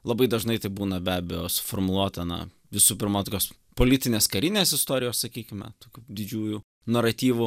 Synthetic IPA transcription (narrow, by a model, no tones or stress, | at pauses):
lˠɐbɐɪd̪ɐʒnɐɪt̪ɐɪbuːnɐbʲæːbʲɛjoːsʊ̥fɔɾmʊlˠuɔt̪ɐnɐ̰ | ʋʲɪsuːpʲɪɾmɐt̪oːkʲoːs | poːlʲɪt̪ʲɪnʲeːskɐɾʲɪnʲeːsɪst̪oːɾʲɪjoːssɐkʲiːkʲɪmʲɛ̰t̪oːkʲuːd̪ʲɪd͡ʒʲuːju | nɐɾɐt̪ʲiːʋʊ